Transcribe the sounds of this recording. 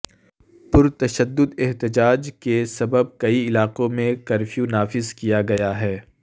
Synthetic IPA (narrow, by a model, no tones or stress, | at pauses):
pʊɾt̪ɐʃəd̪ːʊd̪ɛɦt̪ɪd͡ʒaːd͡ʒkesɐbəb̚kɐiɪlaːqõmẽkɐɾfʰjunaːfɪzkijaɡɐjaɦɛː